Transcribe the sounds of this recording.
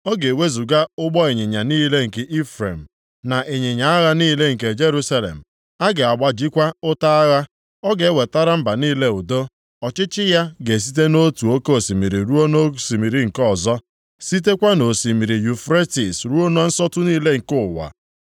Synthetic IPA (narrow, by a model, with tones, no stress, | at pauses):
ɔ˦ɡe˨we˦zu˨ɡa˦ʊ˦ɡ͡bɔ˦e˨ɲe˨ɲa˨niː˦le˦ŋ̩˨ke˨ʔi˦fɾe˨m̩˨ | na˨ʔe˨ɲe˨ɲa˨a˦ɣa˦niː˦le˦ŋ̩˨ke˨d͡ʒe˦ɾu˦sa˦lḛ˨m̩˨ | a˦ɡe˨a˨ɡ͡ba˨d͡ʒi˦kʷa˦ʊ˦ta˦a˦ɣa˦ | ɔ˦ɡe˨˦we˨ta˦ɾa˦m̩˦ba˨niː˦le˦ʊ˨do˦ | ɔ˨t͡ʃɪ˦t͡ʃɪ˦ja˦ɡe˨s̬i̥˦t̬e˦no˦tu˨o˦ke˦o˨si˨mi˨ɾi˨ɾu˦o˦no˦si˨mi˨ɾi˨ŋ̩˨kɔ˦˨zɔ˦ | si˦t̬e˦kʷa˦no˨si˨mi˨ɾi˨ju˨fɾe˦ti˨sɾu˦o˦no˦n̩˦sɔ˦tʊ˦niː˦le˦ŋ̩˨kʊ˦˨wa̰˨